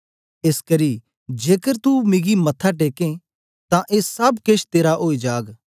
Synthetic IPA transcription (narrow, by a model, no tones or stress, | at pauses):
eːskɐɾi | d͡ʒeːkəɾt̪umɪɡimɐt̪ʰːaʈ̬eːkẽ | t̪ãʔeːsɐbkeːʃt̪eːɾaʔoːid͡ʒaːɡ